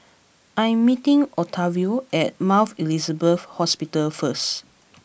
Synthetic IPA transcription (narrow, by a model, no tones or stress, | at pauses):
ʔãjɛ̃mːitĩŋɔtʰavioɛt̚mawθilizəbəfhɔspitəlfəs